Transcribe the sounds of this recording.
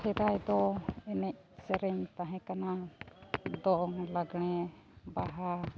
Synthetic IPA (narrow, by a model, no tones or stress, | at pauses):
hʰɛɾajd̪ɔɛnɛc̚sɛɾɛɲt̪aɦɛ̃kana | d̪ɔʔɔŋlaɡɽ̃ɛ | baɦa